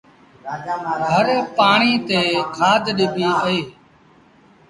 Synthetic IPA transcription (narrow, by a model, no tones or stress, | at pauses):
ɦəɾpaːɳ̃iːt̪eːkʰaːd̪ʱɗɪbʱiːʔəeː